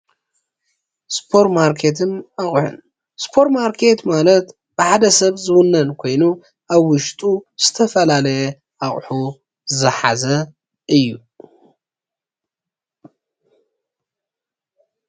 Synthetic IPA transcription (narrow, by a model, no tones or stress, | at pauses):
spʰo̞ɾt̪maɾkʰe̞t̪̬ʰɨnaχʼħʊ̰n | spʰo̞ɾtmaɾkʰe̞t̪malɐt̪ | b̥ɨħad̪ɐsɐβzɨwʊnːɐnkʰo̞jnu | ʔaβwʊʃt̪ʼuz̥ɨt̪ʰɐfɐlalɐjɛ | ʔaχʼħu | zɨħa̰zɐ | ɨjːu